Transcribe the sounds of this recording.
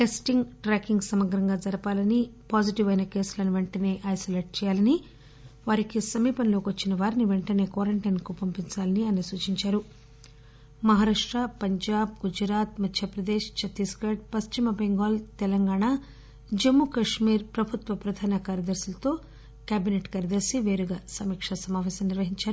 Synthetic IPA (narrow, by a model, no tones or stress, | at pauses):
ʈesʈiŋɡʈɾaːkiŋɡsɐmɐɡɾɐŋɡaːd͡ʒɐɾɐpaːlɐnipaːd͡ʒiʈiʋɐjnɐke̞ːsulɐnuʋeɳʈɐne̞ːʔɐjsoːleːʈ̚t͡ʃɛːjaːlɐni | ʋaːɾikisɐmiːpɐnlo̞ːkʋɐt͡ʃːinɐʋaːɾiniʋeɳʈɐne̞ːkʋaːɾeɳʈɐjnkupɐmpiɲt͡ʃaːlɐniɐnɐsuːt͡ʃiɲt͡ʃaːɾu | mɐɦaːɾaːʂʈɾapɐɲd͡ʒaːb̚ɡud͡ʒɾaːt̪mɐt̪ʰjɐpɾɐd̪eːʂt͡ʃɐt̪iskɐʈ̚pɐst͡ʃimɐbeŋɡoːlt̪ɛlɐŋɡaːɳa | d͡ʒemːukɐʂmiːɾpɾɐbʱut̪ʋɐpɾɐd̪ʱaːnɐkaːɾjɐd̪ɐɾsulɐt̪o̞ː | kjaːbineʈkaːɾjɐd̪ɐɾsiʋe̞ːɾuɡaːsɐmiːkʂɐsɐmaːʋɛːsɐmniɾʋɐɦiɲt͡ʃaːɾ